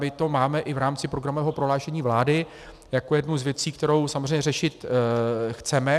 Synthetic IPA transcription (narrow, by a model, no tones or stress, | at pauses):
mɪt̪o̞maːmɛʔɪvɾaːmt͡sɪpɾoɡɾamovɛːɦo̞pɾo̞ɦlaːʃɛɲiːvlaːdɪ | jakojɛdnuwzvjɛt͡siːk̚t̪ɛɾo̞wsamozr̝ejɲɛrɛʃɪt̪ | xt͡sɛmɛ